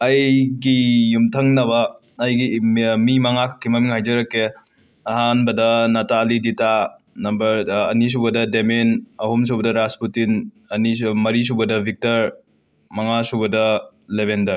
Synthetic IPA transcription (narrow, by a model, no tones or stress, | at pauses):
ɐjɡijumtʰɐŋnɐbɐː | jɡimimɐŋakʰkʰːimɐmiŋhajd͡ʒɐɾɐkːe | ɐɦanbɐdɐnɐtalidita | nɐmbɐɾɐnis̬ubɐdɐdemenɐhums̬ubɐdɐɾasputin | ɐnimɐɾis̬ubɐdɐbʱik̚tɐɾ | mɐŋasubɐdɐ | lebendɐɾ